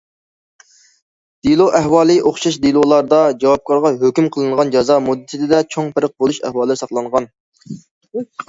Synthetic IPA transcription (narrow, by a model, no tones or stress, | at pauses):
d̪̥ilˠoʔɛɦwɑːlˠɨʔoχʃɑʃd̪ilˠolˠɑɾd̪ɑd͡ʒɑwɑp̚kʰɑɾʁɑɦøkʲymqʰəlˠɨɴʁɑnd͡ʒɑzɑmud̪ːɨt̪ʰɪd̪ɪd̪ɛt͡ʃʰoŋpʰɪɾəq̚bolˠuʃɛ̰hwɑːlˠɨɾsɑχlˠɑɴʁɑn